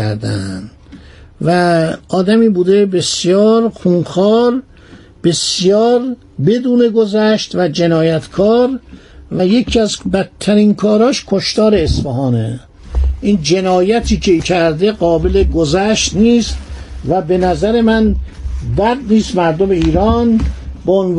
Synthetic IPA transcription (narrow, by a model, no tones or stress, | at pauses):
æ̰ɾd̪æ̰n | væɒːd̪æmiːbuːd̪e̞besjɒːɾxuːnxɒːɾ | b̥e̞sjɒːɾ | be̞d̪uːne̞ɡozæʃt̪væd͡ʒe̞nɒːjæt̪ʰkʰɒːɾ | væje̞cʰiæzbæt̪ʰːæɾiːnkʰɒːɾɒːʃkʰoʃt̪ɒːɾe̞ːsfæɦɒːnḛ | ʔiːnd͡ʒe̞nɒːjæt̪ʰiːcʰecʰæɾd̪eɡɒːbele̞ɡozæʃt̪niːst̪væbe̞næzæɾe̞mæn | bæd̪̚niːst̪mæɾd̪omeiːɾɒːnbeon